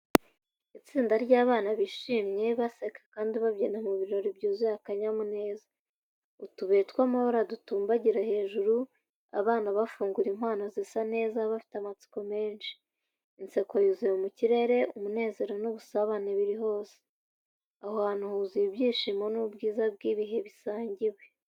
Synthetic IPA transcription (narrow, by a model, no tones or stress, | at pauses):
it͡siːndaɾɟaːβaːnaβiʃiːmɲe̞βasekḁkaːndiβaβjenamuβiɾiɾo̞ɾibɟuːzijakaɲamune̞ːza | utuβe̞ːtkwamahoɾadutuːmbaɟiɾahe̞ːʒuɾu | a̰βaːnaβafuːŋɡuɾimhaːnozisane̞ːzaβafi̥tamat͡si̥ko̞me̞ːnʃi̥ | inse̞kojuziumuciɾe̞ɾe̞umune̞ːze̞ɾo̞nuβusaβaneβiɾiɦo̞ːse̥ | ahohanuhuzibjiːʃimo̞nubɡiːzab̚ɡiːβiɦe̞βisaːɲɟiwe